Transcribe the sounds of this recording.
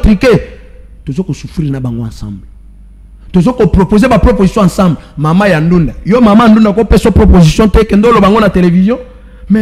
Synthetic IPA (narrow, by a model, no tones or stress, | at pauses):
tʁike | tozokosufʁiʁnabaŋɡoãsã̰mble | tozokopʁopozebapʁopozisjɔ̃ãsãmblemamajandundajomamajandundakopesopʁopozisjɔ̃toekɛndeolobãŋɡonatelevizjɔ̃ | mɛ